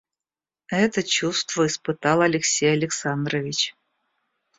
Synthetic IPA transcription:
ɛt̪ət͡ɕust̪vəispɨt̪ɑlˠɐlʲɪksʲejɐlʲɪksand̪ɾəvʲɪt͡ɕ

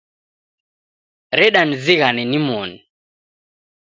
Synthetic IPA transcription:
ɾɛɗaniziɣanɛnimɔni

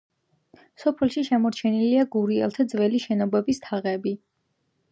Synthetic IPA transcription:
sɔpʰɛlˠʃiʃɛmɔɾt͡ʃʰɛniliaɡuɾiɛ̰lˠt̪ʰad̪zvɛliʃɛnɔbɛbist̪ʰaʁɛbi

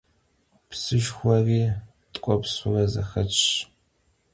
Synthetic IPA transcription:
psɨʒxʷɔriː | tʼqʷʼɔpsʊrɐzɐ̰xɐt͡ʃʼ

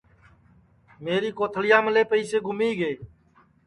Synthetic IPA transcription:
meːɾiːkoːt̪ʰəlɪjãːməleːpəiːseːɡʱʊmiːɡeː

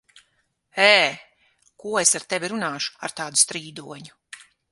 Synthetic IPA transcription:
ɛː | kuɔesaɾt̪evʲiɾunaːʃu̥aɾt̪aːd̪u̥st̪ɾiːd̪uɔɲu

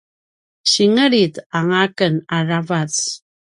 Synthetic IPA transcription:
ɕiŋəɾitaŋakənaravat͡s

